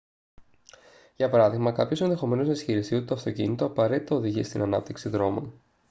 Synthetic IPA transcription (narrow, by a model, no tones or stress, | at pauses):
ʝɐpɐɾɐðiɣmɐkɐpço̞se̞nðe̞xo̞me̞nosnɐisçiɾisiut̪et̪oɐft̪o̞cḭnit̪o̞ɐpɐɾe̞t̪i̥t̪ɐoðiʝist̪inɐnɐp̚t̪iksiðɾo̞mo̞̰n